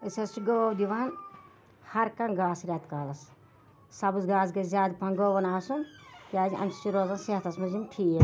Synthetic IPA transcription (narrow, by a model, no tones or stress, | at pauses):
ɨsɐst͡ʃiɡoːwd̪iʋaːn | hɐɾkɐnɡaːsɾʲɐt̪kaːlɐs | sɐbusɡaːzɡezʲaːd̪pʰɐnɡoːʋɐnaːsunkʲaːziʔɐ̰mʲsʰi̥t͡ʃiɾoːzɐnset̪ʰɐsmɐzimʈʰiː